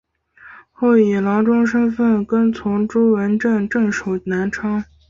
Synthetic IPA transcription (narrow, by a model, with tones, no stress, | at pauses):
xo˥˩ʊi˨˩lɑ˧˥ʊʈ͡ʂʊ˥ŋʂə˥nfə˥˩nkə˥nt͡sʰʊ˧˥ŋʈ͡ʂu˥wə˧˥nʈ͡ʂə˥˧nʈ͡ʂɤ˥˩ŋʂo˨˩ʊna˧˥nʈ͡ʂʰɑ˥ŋ